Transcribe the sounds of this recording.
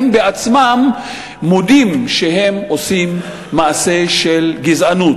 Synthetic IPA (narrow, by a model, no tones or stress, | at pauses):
mbeat͡smamː | od̪imʃehe̞mosimː | aʔase̞ʃelɡizʔanut